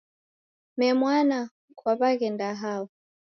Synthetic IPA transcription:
mɛmwana | kwaβakɛndaɦaɔ

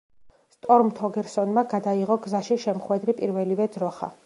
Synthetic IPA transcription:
st̪ʼɔɾmt̪ʰɔɡɛɾsɔnmaɡad̪aiʁɔɡzaʃiʃɛmχwɛd̪ɾipʼiɾvɛlivɛd̪ɾɔχa̰

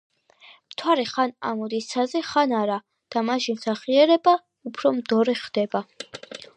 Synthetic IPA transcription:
mt̪ʰwaɾɛχana̰mɔd̪issʰazɛχanaɾa | d̪̥amaʃinsaχiɛɾɛba | upʰɾɔmd̪ɔɾɛχd̪̥ɛba

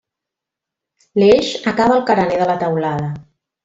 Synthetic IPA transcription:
leʒəkaβəlˠkəɾəneðələt̪əwlaðə

